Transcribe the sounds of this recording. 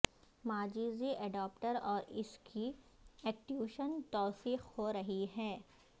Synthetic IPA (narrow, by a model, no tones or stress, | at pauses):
maːd͡ʒiːziʔɛɖaːp̚ʈəɾɔːɾɪskʰi | ɛːk̚ʈiuːʃənt̪ɔːsiːxhoɾɐɦiɦɛː